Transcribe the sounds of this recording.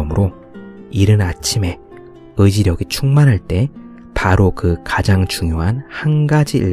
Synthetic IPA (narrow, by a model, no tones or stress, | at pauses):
ʌmɯɾo | iɾɯnat͡ɕʰime̞ | ɯd͡ʑiɾjʌɡit͡ɕʰuŋmanɦaɭt͈e̞ | paɾokɯkad͡ʑaŋt͡ɕuŋjoɦanhanɡad͡ʑiiɭ